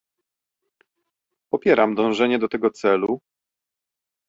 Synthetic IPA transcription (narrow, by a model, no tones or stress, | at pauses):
pɔpʲjɛɾamd̪ɔ̃w̃ʐɛɲɛd̪ɔt̪ɛɡɔt̪sɛlu